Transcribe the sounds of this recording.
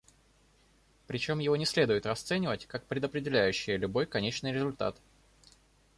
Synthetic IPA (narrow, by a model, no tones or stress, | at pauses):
pɾʲɪt͡ɕo̞mjɪvo̞nʲɪsʲlʲe̞d̪ʊjɪt̪rɐst̪sɛnʲɪvətʲkak̚pɾʲɪd̪əpɾʲɪdʲɪlʲæjʉɕːɪjəlʲʊbo̞jkɐnʲet͡ɕnɨjɾʲɪzʊlʲt̪a̰t̪